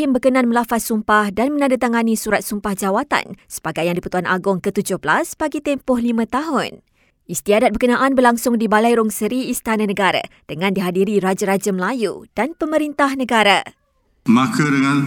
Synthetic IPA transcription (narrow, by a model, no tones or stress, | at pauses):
ɪmbəkənãnmə̃lafat̪̚sumpahdanmə̃nãdat̪aŋanĩsuɾat̪̚sumpahd͡ʒawat̪a̰nsə̥baɡajaŋdipət̪uanʔa̰ɡʊŋkət̪ud͡ʒʊhbəlaspaɡit̪ɛmpʊhlimə̃t̪aɦʊn | ist̪iadat̪̚bərkənãʔanbərlaŋsʊŋdibalajɾʊŋsəɾiːst̪anãnəɡaɾa̰d̥əŋãndiɦadiɾiɾad͡ʒəɾad͡ʒəməlajṵd̥anpəmə̃ɾint̪ahnə̃ɡaɾa | makʰadəŋãn